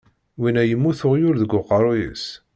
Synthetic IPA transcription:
winæjəmːuθʊʁjʊɾðəɡʷːʊqːəɾˤojə̰s

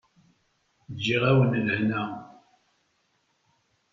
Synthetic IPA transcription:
d͡ʒːiʁæwənləhnæ

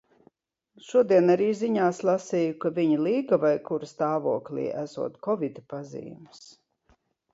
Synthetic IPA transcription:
ʃuɔd̪iɛnaɾiːziɲaːslˠasijukaviɲilˠiːɡavajkuɾst̪aːvuɔklʲḭːʔæsṵɔt̪kɔvid̪pazḭːms

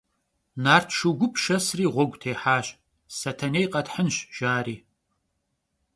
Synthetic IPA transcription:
naːrtʰʃuɡʷʊpʰʃɐsriːʁʷɔɡʷʼtʰeːħaːɕ | sɐtʰɐnejqʼɐtħənɕʒ̥aːɾiː

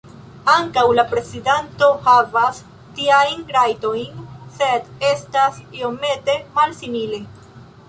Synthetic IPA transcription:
aŋkawlapɾe̞zidento̞havas | tiajnɾajto̞jnse̞destasio̞me̞te̞malsimile̞

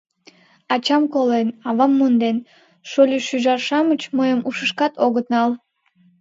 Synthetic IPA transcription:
ɑt͡ɕɑmkolenɑβɑmːond̪en | ʃolʲyʃyʒɑrʃɑmət͡ɕməjəmʔuʃəʃkɑt̪oɣət̪nɑlˠ

